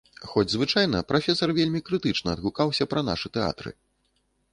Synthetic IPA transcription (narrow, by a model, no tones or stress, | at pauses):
xɔd͡zʲzvɨt͡ʂajn̪ɐpɾafʲɛsɐrvʲelʲmʲikɾɨt̪ɨt͡ʂnɐːd̪ɣukawsʲɐpɾɐna̰ʂɨt̪ɛa̰t̪ɾɨ̰